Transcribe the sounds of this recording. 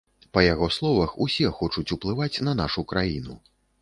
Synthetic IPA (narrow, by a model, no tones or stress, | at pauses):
pɐjaɣɔslˠɔvɐxusʲɛxɔt͡ʂut͡sʲuplˠɨvat͡sʲnɐn̪aʂukɾajinu